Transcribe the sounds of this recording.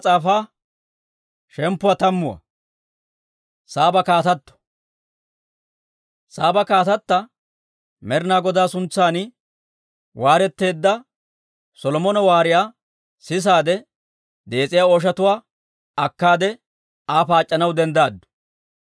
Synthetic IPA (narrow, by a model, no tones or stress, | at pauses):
t͡sʼaːfaː | ʃɛmpːʊwɐt̪ɐmːʊwɐ̰ | saːbɐkaːt̪ɐt̪ːɔ̥ | saːbɐkaːt̪ɐt̪ːɐ | mɛɾnaːɡɔd̪aːsʊnt͡sːaːnɪ | waːɾɛt̪ːe̞ːd̪ːɐ | sɔlɔmɔnɐwaːɾɪjaː | sɪs̬aːd̪ɛ | d̪e̞ːt͡sʼɪjaːɔʃ̬ɐt̪ʊwaː | ɐkːaːd̪ɛ | aːfaːt͡ʃʼːɐnɐwd̪ɛnd̪aːd̪ːʊ̥